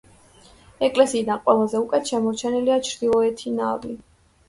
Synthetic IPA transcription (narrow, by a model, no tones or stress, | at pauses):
ɛkʼlɛsiːd̪anqʼwɛlˠazɛukʼɛt̪ʰʃɛmɔɾt͡ʃʰɛniliat͡ʃʰɾd̪ilˠɔɛt̪ʰina̰vli